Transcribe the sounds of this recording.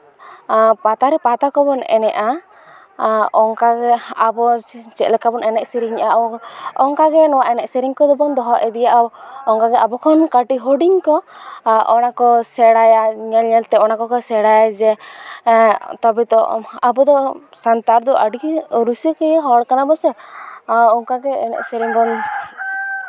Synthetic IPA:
pat̪aɾɛpat̪akɔbɔnɛ̰nɛʔa | ɔŋkaɡɛabɔt͡ʃɛt̪̚lɛkabɔnɛnɛʔsɛɾiɲaɔŋkaɡɛnɔwaʔɛnɛʔsɛɾiŋkɔd̪ɔbɔnd̪ɔɦɔʔɛd̪ijaʔaɔŋkaɡɛabɔkʰɔnkaʈiɦoɖiŋkɔʔɔnakɔsɛɽajaɲɛlɲɛlt̪ɛɔnakɔkɔsɛɽajad͡ʒɛ | t̪ɔbɛt̪ɔ̰abɔd̪ɔ | sant̪aɾd̪ɔʔaɖiɾusikɛjɦɔɽkanabɔsɛ | ɔŋkaɡɛɛ̰nɛ̰ʔsɛɾiŋbɔn

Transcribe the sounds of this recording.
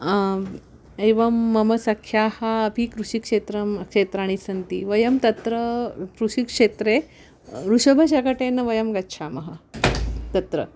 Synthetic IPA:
eʋɐmːɐmɐsɐkʰjahaːpikɾuɕikʂet̪ɾɐmkʂet̪ɾaːɽ̃isɐnt̪ḭʋɐjɐmt̪ɐt̪ɾəkɾuʂikʂet̪ɾe | ɾuʂɐbʱɐɕ̬akaʈenɐʋɐjɐmɡɐtːɕʰamɐɦa | t̪ɐt̪ɾə̰

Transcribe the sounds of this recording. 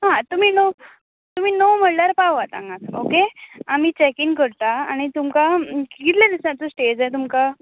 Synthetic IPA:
ɦãt̪um̤iːno | t̪um̤iːnowm̤əɽljaɾpawʋat̪ã̰ŋɡãkʰokeamiːt͡ɕɛkiŋɡkəɾt̪aa̰ɽ̃it̪umkakit̪lad̪isãt͡səsʈed͡zajt̪̬umka

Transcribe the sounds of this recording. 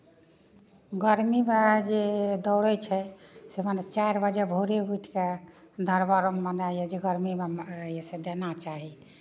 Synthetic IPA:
ɡəɾmimed͡ʒed̪ɔʊɽət͡ʃʰɛsemənet͡ʃaiɾbəd͡ʒɛbʱoɾebuʈʰked̪əɾbəɾomːənajɛd͡ʒeɡəɾmimejesed̪enat͡ʃaɦi

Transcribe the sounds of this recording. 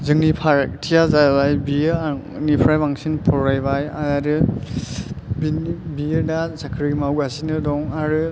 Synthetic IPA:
zɯŋnipʰaɾtʰijazajlajbinipʰɾajbaŋsinpʰɔɾajbaja̰aɾɯ | binbijɯɾdasakʰɾimawasinɯdɔŋaɾɯ

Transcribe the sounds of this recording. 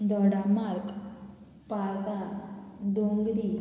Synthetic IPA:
d̪ɔɽamaɾk | paɾt̪a | d̪oŋɡd̪i

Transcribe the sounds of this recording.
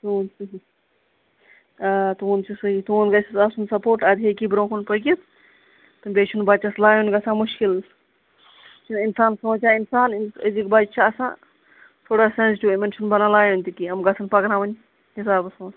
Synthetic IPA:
t̪uːnsɐɦi | at̪uːnt͡ʃʰisɐɦit̪uːnɡɐsʰisɐsunsɐpoːʈɐd̪iekibɾõːkʰunpɐkit̪ | t̪ɨbʲeːt͡ʃʰunbɐt͡ʃɐslaːjõnɡɐsãːmuʃkil | t͡ʃʰininsaːnsõːt͡ʃʰaːinsaːninɐzikbad͡ʒt͡ʃʰaɐsã̰ː | t̪ʰoːɽasenzʈʲuimenʃʰunbɐnãlaːjonʲt̪ikiɐmɡɐsʰɐnpɐkɾãːʋɐnʲ | ɦisaːbɐsõːs

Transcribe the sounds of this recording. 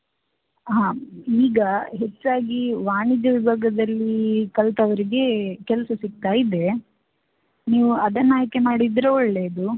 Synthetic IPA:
ɦaːiːɡɐɦe̞t͡ʃːaːɡiʋaːɳid͡ʒɐʋibʱaːɡɐd̪ɐlːikɐlt̪ɐʋɐɾiɡe̞kɛlsɐsik̚t̪aːjid̪e̞ | niːʋuɐd̪ɐnaːjke̞maːɽid̪ɾoɔɭːe̞ːd̪u

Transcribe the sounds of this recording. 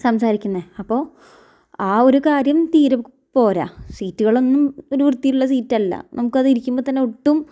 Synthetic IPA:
sɐmsaːɾikʲːunːɐɐpːo̞ː | aːo̞ɾukaːɾjɐmt̪iːɾɐ | po̞ːɾa̰siːtːuɣɐɭo̞nːumo̞ɾuʋrɨt̪ːijiuɭːɐs̬iːtːɐlːɐ̰nɐmukːɨɐðiɾikʲːumboːt̪ɐnːe̞uʈːum

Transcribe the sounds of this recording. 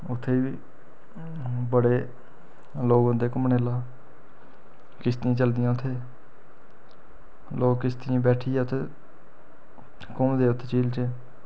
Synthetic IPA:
ʊt̪ʰːeːʋiː | bəɽeː | loːɡãːd̪eːkʊmɳeːlaː | kɪst̪ɪãːt͡ʃəld̪ɪjãːʊt̪ʰːeː | lʔoːkkɪst̪ɪĩːbɛːʈʰiːɛːʊt̪ʰːeː | kʊmd̪eːʊt̪ʰːeːt͡ʃiːlt͡ʃeː

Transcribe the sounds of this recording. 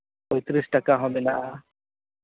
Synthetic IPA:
ɔjt̪ɾisʈakaɦɔmenaʔa

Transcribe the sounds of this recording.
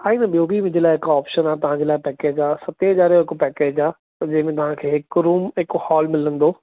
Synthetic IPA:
aːiːnɐɓijobʱimʊ̃ɲd͡ʑelaːɪɦɪkɔːpʃənaːt̪ɐʋ̤ãːɲd͡ʑelaːɪpɛːkeːd͡ʑaːsɐt̪eɦɐaːɾijoɦɪkpɛːkeːd͡ʑaː | d͡ʑɐ̃ɦɪ̃mẽt̪ɐʋ̤ãkʰeːɦɪkɾuːmɦɪkhɔːlmɪlə̃nd̪oː

